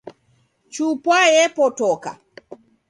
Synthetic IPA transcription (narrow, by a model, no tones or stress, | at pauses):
t͡ʃupwajɛpɔtɔka̰